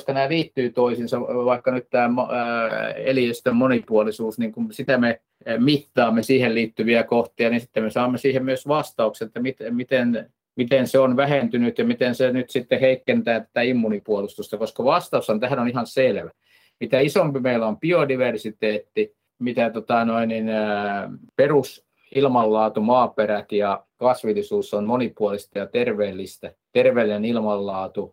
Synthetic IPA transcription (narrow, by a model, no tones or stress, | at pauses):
st̪ænæːliːt̪ːyːt̪oisinsɑʋɑikːɑnyt̪t̪æːm | ḛliest̪emmonipuolisuːsniŋkumsit̪æme | mit̪ːɑːmːesiːhelliːt̪ːyʋiækoht̪iɑninsit̪ːemmesɑːmːesiːhemmyøsʋɑst̪ɑukseet̪ːæmit̪mit̪en | mit̪enseonʋæhent̪ynyt̪jɑmit̪ensenyt̪sit̪ːeheikːent̪æːt̪æ̥t̪æimːunipuolust̪ust̪ɑkoskɑʋɑst̪ɑushɑnt̪æhænonihɑnselʋæ | mit̪æisompimeilompiodiʋersit̪eːt̪ːi | mit̪æt̪ot̪ɑnoinin | perus | ilmɑlːɑːt̪umɑːperæt̪jɑkɑsʋilːisuːsonmonipuolist̪ɑjɑt̪erʋeːlːˑist̪æt̪erʋeːlinenilmɑlːɑːt̪u